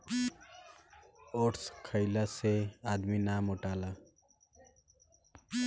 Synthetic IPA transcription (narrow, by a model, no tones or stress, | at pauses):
oʈskʰəɪlaseaːd̪minaːmoʈaːlaː